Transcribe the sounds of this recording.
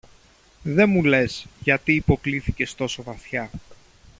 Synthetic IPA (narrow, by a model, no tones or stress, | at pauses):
ðe̞mule̞sʝɐt̪iːpo̞kliθice̞st̪o̞so̞vɐθçɐ